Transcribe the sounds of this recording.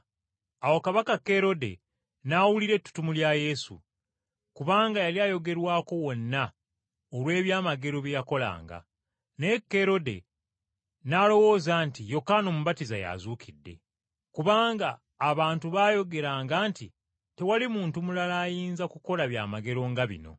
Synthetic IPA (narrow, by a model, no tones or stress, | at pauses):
awokaβakakːe̞ɾo̞de̞̰ | nawuliɾe̞tːu̥tumuljaje̞sṵ | kuβaːŋɡajaliajo̞ɡe̞ɾwaːko̞wo̞nːa | olwe̞ːβjaːmaɡe̞ɾo̞βjejako̞la̰ːŋɡa̰ | ne̞kːe̞ɾo̞de̞̰ | nalo̞wo̞ːzaːntijo̞kaːno̞muβatiza̰ja̰zuːkʰidːe̞̰ | kuβaːŋɡaː | βaːntuβaːjo̞ɡe̞ɾaːŋɡaːnti | te̞walimuːntumulalaːjiːnzakuko̞laβja̰ːmaɡe̞ɾo̞ŋɡaβḭno̞̰